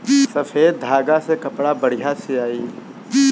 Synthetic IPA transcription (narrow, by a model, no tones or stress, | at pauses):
sɐfʰeːd̪̚d̪ʱaːɡasekɐpɽabɐɽ̤ijaseaːiː